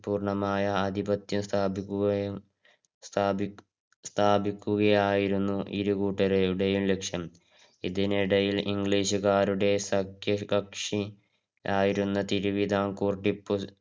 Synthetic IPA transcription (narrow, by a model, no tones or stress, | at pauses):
puːrɳɐmaːjɐːd̪ʱibɐt̪jɐmst̪ʰaːbikːuɐj | st̪ː | st̪ʰaːbikʲːuɣɐjaːjiɾunːuʔḭɾukuːʈːɐɾɐjuɽe̞jumle̞kʂjɐm | iðiniɽɐjiliŋɡɭiːɕukaːɾuɽe̞sɐkjɐkɐkʂi | aːjiɾunːɐt̪iɾuʋid̪ʱaːŋkuːrʈipːu